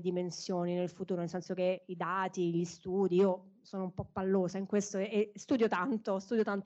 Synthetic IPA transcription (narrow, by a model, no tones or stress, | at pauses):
d̪imensjoːninelfut̪uːɾonelsɛnsok̟eid̪aːt̪iʎist̪uːd̪iiːosoːnoumpɔpːalːoːzaiŋkwest̪oest̪uːd̪jot̪ant̪ost̪uːd̪jot̪ant̪